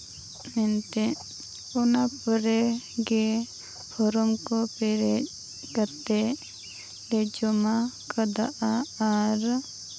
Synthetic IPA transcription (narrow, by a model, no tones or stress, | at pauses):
mɛnt̪ɛ | ɔnapɔɾɛɡɛ | pʰɔɾɔmkɔpɛɾɛ | kaɾt̪ɛ | lɛd͡ʒɔmakad̪aʔaaɾ